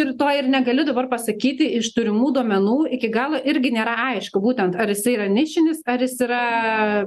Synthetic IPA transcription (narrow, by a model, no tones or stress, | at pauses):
ɪɾt̪oːɪrnʲɛɡɐlʲɪd̪ɐbɐrpɐsɐkʲiːt̪ʲɪɪʃt̪ʊɾʲɪmuːd̪uɔmʲɛnuːɪkʲɪɡɑːlˠoʔɪɾʲɡʲɪnʲeːɾɐɐɪʃkʊbuːt̪ʲɛnt̪ɐɾjɪsɐɪiɾɐnʲɪʃʲɪnʲɪsɐɾjɪsiːɾɐ